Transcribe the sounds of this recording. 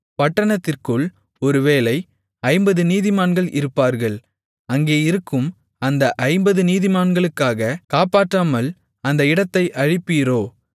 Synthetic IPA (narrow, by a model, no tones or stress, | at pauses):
pɐʈːɐɳɐt̪ːɪrkɯɭ | ɔɾɯʋeːlɐɪ | ɐɪmbɐðɯniːðɪmaːnɡɐɭʔɪ̰ɾɯpːaːɾɣɐɭ | ɐŋɡeːɪɾɯkːɯm | ɐnd̪ɐʔɐɪmbɐðɯniːðɪmaːnɡɐɭɯkːaːɣɐkaːpaːʈːaːmɐl | ɐnd̪ɐɪɽɐt̪ːɐɪʔɐɻɪpːiːɾoː